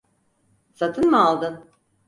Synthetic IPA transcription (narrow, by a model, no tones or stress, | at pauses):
sat̪ʰɯnmɯalˠd̪ɯn